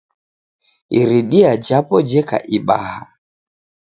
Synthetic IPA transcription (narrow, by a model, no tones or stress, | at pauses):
iɾiɗiad͡ʒapɔd͡ʒɛka̰ʔiɓa̰ha